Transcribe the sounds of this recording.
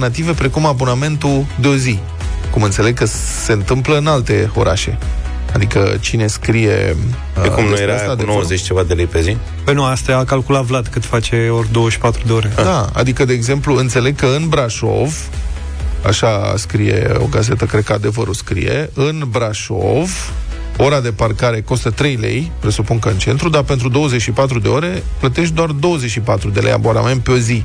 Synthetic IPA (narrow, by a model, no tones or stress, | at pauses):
nat̪̬ive̞pɾe̞kumabo̞name̞nt̪ud̪eo̞zi | kumɨnt̪se̞le̞ɡ̚kə | se̞nt̪ɨmpləɨnalt̪e̞o̞̰ɾʔaʃe̞̰ | ad̪ikə̰t͡ʃine̞skɾije̞̰ | ekumnujeɾasad̪enowzet͡ʃʲt͡ʃe̞vad̪elejpe̞zi | pəjnuast̪aakalkulat̪vlad̪kɨt̪fat͡ʃe̞orʲd̪owəʃi̥pat̪ɾud̪eoɾedd̪aa̰d̪ikəd̪eːɡze̞mpluɨnt̪se̞le̞ɡ̚kəɨnbɾaʃo̞̰v | a̰ʃaskɾije̞̰o̞̰ɡaze̞t̪əkɾed̪̚kəad̪e̞vəɾoskɾḭje̞̰ɨnbɾaʃo̞̰v | o̞ɾad̪e̞parkaɾe̞ko̞st̪ət̪ɾe̞jle̞̰jpɾe̞supuŋkəɨnt͡ʃe̞nt̪ɾud̪ape̞nt̪ɾud̪o̞wəzet͡ʃʲʃipat̪ɾud̪e̞o̞ɾe̞ | plət̪e̞ʃ̬t̪̚d̪oard̪o̞wəzet͡ʃʲʃipat̪ɾud̪eleja̰bona̰me̞nt̪̚peo̞zi